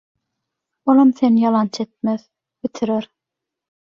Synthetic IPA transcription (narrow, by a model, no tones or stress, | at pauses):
olˠɑmθenjɑlˠɑnt͡ʃʰet̪̚með | bit̪ʰiɾeɾ